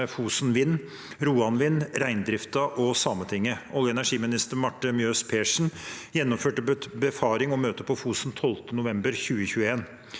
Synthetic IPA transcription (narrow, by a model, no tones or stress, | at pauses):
fuːsnʋɪn | ɾuːɑnʋɪnɾæɪnd̪ɾɪft̪ɑʔɔsɑːmət̪ʰɪŋːəʔɔljəɛnæʂiːmɪnɪst̪əɾmɑʈːəmjøːspʰeːʂɳ̩jɛnːɔmføːʈəbəfɑːɾɪŋɔmøːt̪əpʰɔfuːsnt̪ʰɔlt̪ənʊʋɛmbəɾçʉːəçʉːəeːn